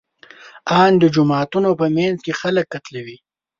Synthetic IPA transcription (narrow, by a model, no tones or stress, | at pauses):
ɑnd̪əd͡ʒʊmɑːt̪unopəmanzkexaləkːat̪lawi